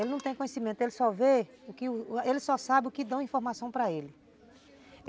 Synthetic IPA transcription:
elɪnɐ̃w̃t̪ẽj̃kõɲesimẽnt̪ʊelɪsɔveʊkɪʊelɪsɔsabɪʊkɪd̪ɐ̃w̃ĩfoɾmasɐ̃w̃pɾɐelɪ

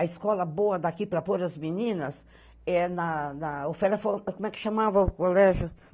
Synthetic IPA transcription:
ɐiskɔlɐboɐd̪akipɾɐpoɾɐzminĩnɐs | ɛnɐnɐofɛlɐfokomɛkɪ̥ʃamavɐʊkolɛʒʊ

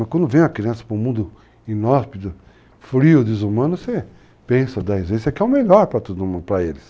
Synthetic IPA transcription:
ɐkwɐ̃nd̪ʊvẽj̃ɐkɾiɐ̃sɐ̥pɾʊ̃mũnd̪ʊ | ĩnɔspid̪ʊ | fɾiʊd̪ɪzumɐ̃nʊse | pẽsɐd̪ɐizvẽzɐkɪɛʊ̃meʎɔɾpɾɐt̪od̪ʊmũnd̪ʊpɾɐelɪs

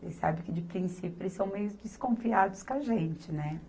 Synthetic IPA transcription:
esa̰bɪkɪd͡ʒɪpɾĩsipjʊelɪsɐ̃w̃mejʊzd͡ʒɪskõfiad̪ʊskaʒẽnt͡ʃɪnɛ

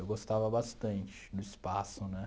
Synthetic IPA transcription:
ewɡost̪avɐbast̪ɐ̃nt͡ʃɪ̥nʊispasʊnɛ

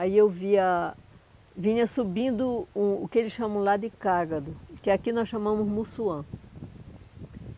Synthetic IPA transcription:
aiewviɐ | vĩɲɐsubĩnd̪ʊũʊkɪelɪsʃɐ̃mɐ̃w̃lad̪ɪkaɾɡɐd̪ʊkɪakinɔsʃɐ̃mɐ̃mʊzmusuɐ̃

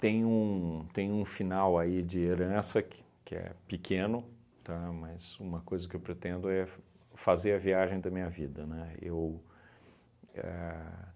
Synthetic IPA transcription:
t̪ẽj̃ũt̪ẽj̃ũfinawaid͡ʒɪeɾɐ̃sɐkɪ̥ | kɪɛ̰pikʰẽnʊ | t̪amɐzũmɐkojzɐkɪewpɾet̪ẽnd̪ʊɛ | fazeɾɐviaʒẽj̃d̪ɐmĩɲɐvid̪ɐnɛḛw | ɛ̰

